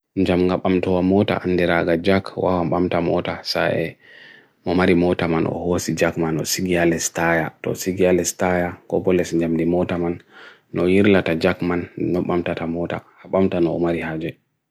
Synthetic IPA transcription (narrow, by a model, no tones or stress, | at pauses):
ɲd͡ʒamɡaɓamtɔwamɔta̰ʔanːdiɾaɡad͡ʒakwawamɓamtamɔtasaɛ | mɔmaɾimɔtamanɔ̰hosid͡ʒakmanɔsiɡialɛstajatɔ̰siɡialɛstajakɔ̰bɔlɛsɲd͡ʒamdimɔtamanː | ɔjiɾlatad͡ʒakmanːɔɓamtatamɔta̰haɓamtanɔːmaɾihad͡ʒɛ